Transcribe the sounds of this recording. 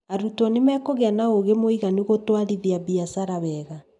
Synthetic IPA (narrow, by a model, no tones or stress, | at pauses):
aɾutɔnemɛːkoɣɛnaoɣemoiɣaniɣotwaɾiðiaβiasaɾaβɛɣa